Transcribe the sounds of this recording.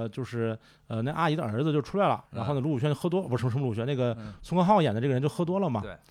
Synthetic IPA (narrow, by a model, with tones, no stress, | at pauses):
t͡ɕjo˥˧ʊʂɻ̩˥˩ | ə˧n˥˩ɪʔa˥i˧˥d̪ə˧ə˞˧˥d͡zɹ̩˧t͡ɕjo˥˩ʊʈ͡ʂʰu˥la˥˩ɪlə̰˩ɻa˧˥xn˧˩lu˥˩˨ɕɥt͡ɕo˥˩ʊxɤ˥t̪wɔ˥˧˩pu˧˥ʈ͡ʂʰŋʂm˧lu˥˩ɕɥɛ˧˥ne˥˩ɡə˩t͡sʰʊ˥ŋkʰɑ˥xɑ˥˩ʊjɛ˨˩nd̪ə˦ʈ͡ʂɤ˥˩ɡə˧˥t͡ɕo˥˧ʊxɤ˥t̪wɔ˥lə˨mɐ̰˨˩